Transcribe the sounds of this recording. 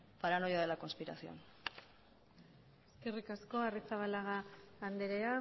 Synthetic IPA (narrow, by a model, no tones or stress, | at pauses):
paɾanojaðelako̞nspiɾasio̞̰n | eskerikasko̞arit͡saβalaɣaːnd̪eɾea